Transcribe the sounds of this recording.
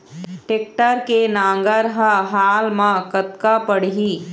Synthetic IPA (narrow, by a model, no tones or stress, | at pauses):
ʈeːk̚ʈəɾkenãːŋɡəɾɦəɦaːlmãkət̪kapəɽ̤ɦiː